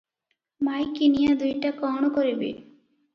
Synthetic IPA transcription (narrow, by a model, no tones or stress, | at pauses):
majkinijad̪ujʈakɔɳ̃ɔkɔɾibḭ